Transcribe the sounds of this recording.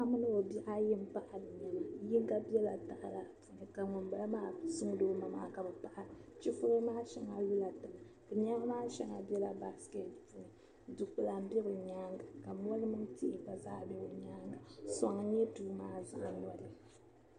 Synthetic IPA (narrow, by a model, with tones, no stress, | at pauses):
ʔa˦mɨ˦nɨ˦o˨bi˦ʔa˦jɪ˦m˦pa˦ʔa˨lɨ˨ɲa˨la˨jɪ˦ŋ˦ɡa˦bɛ˦la˨ta˨ʔa˨la˨pu˨nɨ˨ka˨ŋʊ˨mba˨˦a˦maː˦sʊ˦ŋ˦doː˦ma˨ma̰ː˦ka˨bɨ˨pa˨ʔa˨ɾɨ˨t͡ʃi˦fʊ˦ɾɨ˦maː˦ʃɛ˦ŋa˨lu˦la˨tɨ˨mɨ˨kɨ˨ɲa˦a˦maː˦ʃɛ˦ŋa˨bɛ˦la˨ba˦skɛ˦tpu˦nɨ˨ | du˨k͡pɨ˨la˨m̩˦bɛ˦bɨ˨ɲaː˦ŋɡa˨ka˨m˦ɔ˦lɨ˦mɨ˦ŋti˦ʔɪ˨ka˨zaː˦bɛ˦bɨ˨ɲaː˦ŋɡa˨sɔ˨ŋ˨ɲɛ˦tuː˦maː˦za̰˨ʔɲɔ˦dɨ˦˨